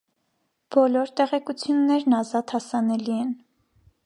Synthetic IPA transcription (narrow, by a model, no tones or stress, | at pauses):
b̥ɔlɔɾt̪ɛʁɛkut͡sʰjunːɛɾnɑzɑt̪hɑsɑnɛliɛn